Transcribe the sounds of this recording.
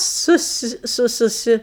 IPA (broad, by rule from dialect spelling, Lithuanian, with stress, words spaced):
ˈsʊs ˈsʊ sʊˈsʲɪ